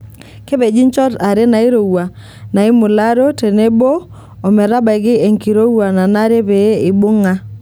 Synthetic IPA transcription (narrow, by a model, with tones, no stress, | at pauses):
ke˦be˨d͡ʒi˦ɲt͡ʃɔ˦ta˨ɾe˦na˨i˦ɾo˨wa˨ | na˨ɪ˦mʊ˨la˦ɾo˦te˨ne˦bo˦ | ɔ˨mɛ˨ɾa˦ba˨ɪ˨ɡɪ˦e˨ŋki˨ɾo˦wa˨na˨na˦ɾe˦pe˨˦ɪ˨bʊ˦ŋa˦